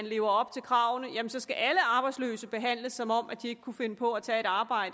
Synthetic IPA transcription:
ænle̝ːʊɐɒ̽b̥̚t͡sʰe̝lkʰʁɑ̈ːʊnəjæmənsɒ̽sɡ̥æʔæləɑ̈ːb̥ɑ̈ɪd̥slø̰ːsəb̥e̝ɦæn̰ləsːɒ̽mɒ̽m̰ʔæd̥ie̝ɡ̥əkʰːufe̝nəpʰɒ̽æt͡sʰɛːe̝ɾ̥ɑ̈ːb̥ɑ̈ɪ̰d̥ə

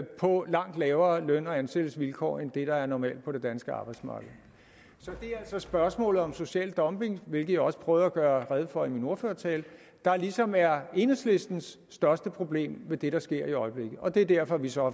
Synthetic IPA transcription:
pʰɒ̽lɑ̈ŋ̰d̥lɛːʊɐːløn̰ɒ̽ænsed̥l̩sʋilkʰɒ̰ːend̥e̝ɾ̥ɑ̈æɐnɒmɛ̰ːld̥̚pʰɒ̽ɾ̥e̝d̥ænsɡ̥əɑ̈ːb̥ɑ̈ɪd̥smɑ̰̈ːɡ̥ð̩ˠ | sɒ̽d̥e̝æl̰sɒ̽sb̥ɶɐsmɔ̰̽ːlð̩ˠɒ̽mso̝ɕɛ̰ːld̥ɒ̽mb̥e̝ŋʋe̝lɡ̥ð̩ˠjɑ̈ɒ̽sə̥pʰʁœːʊð̩ˠæɡ̥ɶːɐʁɛð̞ˠfɒ̽imino̝ɐføːɐt͡sʰɛːl | d̥ɑ̈lisɒ̽mæɐe̝nəsle̝sd̥n̩sːd̥ɶɐsd̥əpʰʁo̝b̥le̝̰ːmʋed̥e̝ɾ̥ɑ̈sɡ̥e̝ɐ̰iɒ̽ɪb̥le̝ɡ̥ð̩ˠɒ̽d̥e̝d̥æɐ̰fɒ̽ʋisɒ̽

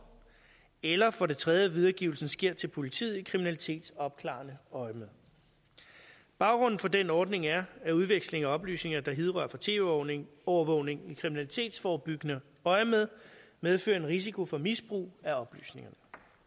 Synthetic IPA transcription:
elɐfɒ̽ɾe̝t͡sʰʁɛð̞ˠjəʋiðˠɐɡ̥iːʊl̩sn̩sɡ̥e̝ɐ̰t͡sʰe̝lpʰo̝lit͡sʰḭð̰ˠikʰʁiminælit͡sʰe̝̰ːd̥sɒ̽b̥̚kʰlɑ̰̈ːnəɒ̽ɪmeðˠ | b̥ɑ̈ʊɡ̥ʁɔ̽n̰n̩fɒ̽denɒːd̥ne̝ŋæɐæuð̞ˠʋeɡ̥sle̝ŋæɒ̽b̥ly̰ːsne̝ŋɐd̥ɑ̈ɦeð̞ˠʁɶ̰ɐfɒt͡sʰe̝̰ːŋɒʊɐʋɔʊ̰ne̝ŋikʰʁiminælit͡sʰe̝̰ːd̥sfɒːb̥yɡ̥ənə | ɒ̽ɪmeð̞ˠmeð̞ˠfø̰ːɐe̝nʁis̬ikʰo̝fɒ̽misb̥ʁṵːæɒ̽b̥ly̰ːsne̝ŋɐnə

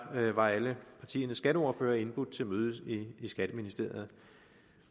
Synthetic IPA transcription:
ʋɑ̈æləpʰɑ̈t͡sʰḭːɐnəsːɡ̥æɾəɒɐføːɐe̝nb̥ud̥̚ˠt͡sʰe̝lmøːð̞ˠsiisɡ̥æd̥əminisd̥e̝ɐjð̞̩ˠ

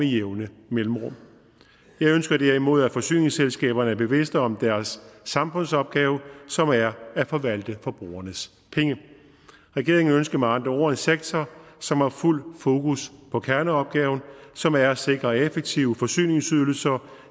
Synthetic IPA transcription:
mejeʊnəmelm̩ʁɔm | jɑ̈ɪønsɡ̥ɐd̥æɐ̰imo̝ð̞̰ˠæfɒ̽sy̰ːne̝ŋselsɡ̥ɛ̰ːb̥ɐnəæɐb̥e̝ʋe̝sd̥ɒ̽md̥æɐsːɑ̈mfɔ̽nsɒ̽b̥̚ɡ̥ɛːʊəsɒ̽mæɐæfɒ̽ʋæl̰d̥əfɒ̽b̥ʁṵːɐnəs | pʰeŋə | ʁɛɡ̥e̝ɐ̰eŋn̩ønsɡ̥ɐmeɑ̈nd̥ʁɐo̰ɐe̝nseɡ̥̚t͡sʰɒsɒ̽mhɑ̈ful̰fo̝ːkʰuspʰɒ̽kʰæɐnəɒ̽b̥̚ɡ̥ɛːʊn̩sɒ̽mæɐse̝ɡ̥ʁɐefeɡ̥̚t͡sʰiʊəfɒ̽sy̰ːne̝ŋsyð̞ˠl̩sɐ

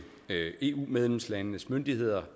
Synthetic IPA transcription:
e̝̰ːṵːmeð̞ˠlemslænːəsmønd̥iɦe̝ð̞̰ˠɐ

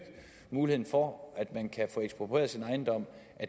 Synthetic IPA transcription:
ɡ̥ | muːlihe̝ð̰ˠn̩fɒʔæd̥mænkʰæfɔ̽ːeɡsb̥ʁopʰʁḛɐsinɑ̈ɪnd̥ɒ̽m̰ʔæ

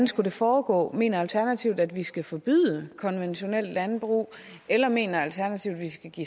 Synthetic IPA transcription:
nsɡ̥ude̝fɒːɡ̥ɔ̰̽ːme̝̰ːnɐælt͡sʰæɐnæt͡sʰiʊd̥æd̥ʋisɡ̥æfɒ̽b̥y̰ð̰ˠəkʰɒ̽nʋenɕo̝nel̰d̥lænb̥ʁṵː | elɐme̝̰ːnɐælt͡sʰæɐnæt͡sʰiʊd̥ʋisɡ̥æɡ̥ḭ

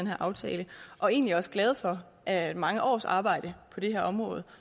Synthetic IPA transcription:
enɦæɐ̰ʔɑ̈ʊt͡sʰɛ̰ːləʔɒ̽e̝ːnliæɒ̽sɡ̥lɛːð̞̩ˠfɒ̽ | ʔæmɑ̈ŋəʔɒ̰ːsɑ̰̈ːb̥ɑ̈ɪ̰d̥əpʰɒ̽d̥e̝ɦæɐɒ̽mʁɔ̽ːð̞̩ˠ

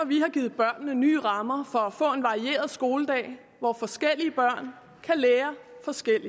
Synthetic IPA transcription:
ɒʋihɑ̈ɡ̥iːð̩ˠb̥ɶɐ̰nːəny̰ːʁɑ̈mɐfɒ̽æfɔ̰̽ːe̝nʋɑ̈ʁie̝̰ːɐð̞ˠsɡ̥o̝ːləd̥ɛ̰ːɪ | ʋɒfɒ̽sɡ̥el̰iəb̥ɶɐ̰n | kʰæleːɐfɒ̽sɡ̥el̰i

